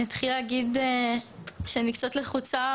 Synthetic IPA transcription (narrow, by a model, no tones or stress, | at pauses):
at̪χileːɡide | ʃenikt͡sotleχut͡sa